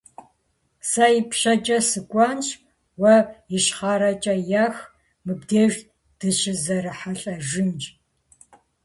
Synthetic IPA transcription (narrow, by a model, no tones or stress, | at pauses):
sajipʃɐt͡ʃʼɐsɨkʷʼɑnɕ | wɐjɪʃχaːɾɐt͡ʃʼɐjaːx | mɨbdeːʒ | d̥ɨʃɪzɐɾɨħaɬʼɐʒɪnd͡ʒʼ